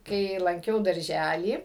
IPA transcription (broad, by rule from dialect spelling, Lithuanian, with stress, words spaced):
ˈkɐɪ lˠɐŋʲˈkʲɛʊ dɐrʲˈʒʲælʲiː